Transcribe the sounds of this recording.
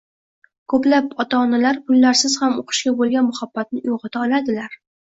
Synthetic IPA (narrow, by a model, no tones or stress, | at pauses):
kʰɵplapɒt̪ʰaːnalaɾkʊlːaɾsɪz̥hamoqʰɨ̥ʃkʲabolˠɡʲanmʊhabːat̪̚nɪoʁɨt̪ʰaɒlad̪ɪlaɾ